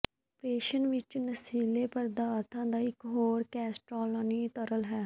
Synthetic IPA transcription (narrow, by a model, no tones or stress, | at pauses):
pɾeːʃənʋɪt͡ʃnəsiːleːpəɾd̪aːɾt̪ʰãːd̪aːɪkɦoːɾkɛːsʈɾoːlːniːt̪əɾəlɦɛː